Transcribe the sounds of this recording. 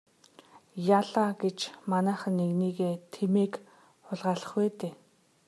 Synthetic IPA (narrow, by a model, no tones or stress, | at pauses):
jaɮaɡet͡ɕmanæːχə̆nːeɣniːɣeːt̪ʰemeːk | χʊɮʁaːɮə̥̆χweːt̪eː